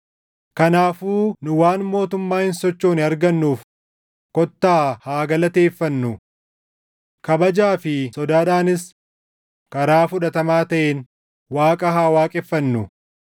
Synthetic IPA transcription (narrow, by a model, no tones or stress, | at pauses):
kɐnaːfuːnʊwaːnmo̞ːt̪ʊmːaːhɪnsɔt͡ʃːoːnɪɐɾɡɐnːuːf | kɔt̪ːaːhaːɡɐlɐt̪e̞ːfːɐnːʊ | kɐbɐd͡ʒaːfɪsɔd̪aːᶑaːnɪs | kɐɾaːfʊᶑɐt̪ɐmaːt̪ɐʔeːn | waːkʼɐɦaːwaːkʼɛfːɐnːʊ